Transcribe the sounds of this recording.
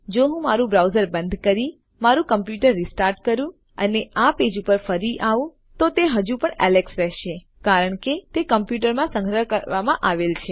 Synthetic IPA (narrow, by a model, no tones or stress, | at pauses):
d͡ʒoɦũmaɾũbɾauzəɾbənd̪ʱkəɾi | maɾũkəmpjuʈəɾːisʈaɾʈ̚kəɾũ | ə̰neaped͡ʒupəɾfəɾiʔaʋũ | t̪ot̪eɦəd͡ʒũpəɳɛ̰leksɾɛɦʃe | kaɾəɳket̪ekəmpjuʈ̬əɾmãsə̃ŋɡʱɾəkəɾʋamãʔaʋelt͡ʃʰe